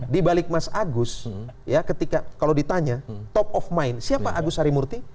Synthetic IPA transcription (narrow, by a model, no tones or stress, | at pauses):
dibalɪk̚masʔaɡʊsjakət̪ikakalodit̪aɲat̪ɔp̚ɔfmajɪnsiapaʔaɡʊsaɾimurt̪i